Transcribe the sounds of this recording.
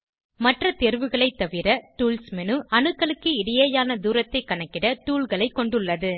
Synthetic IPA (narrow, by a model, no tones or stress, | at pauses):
mɐʈrɐt̪ɛɾʋɯɣɐɭɐɪt̪ːɐʋɪɾɐʈuːlsmɛnɯʔɐnɯkːɐɭɯkːɯɪɽɪjeːjaːnɐd̪uːɾɐt̪ːɐɪkːɐɳɐkːɪɽɐʈ̪uːlɣɐɭɐɪkːɔɳɖɯɭːɐðɯ